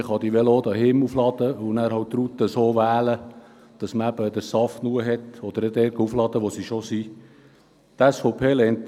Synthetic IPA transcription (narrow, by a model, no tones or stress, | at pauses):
χɑd̪iʋɛloːd̪ɑɦɪmuflɑd̥̪əʊnæːɾhɑwt̪ɾut̪əsoːʋæːlə | d̥ɑsməæb̥əd̪əɾsɑftnuəɦɛt̪ɔd̥̪əɾədɛɾɡəuflɑd̥̪əʋosiʃosi | t̪æsfoʊpʰeːlɛnt